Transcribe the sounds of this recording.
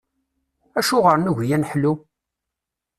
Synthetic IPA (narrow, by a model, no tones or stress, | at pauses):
æʃʊʁəɾˤnuʝjænħlu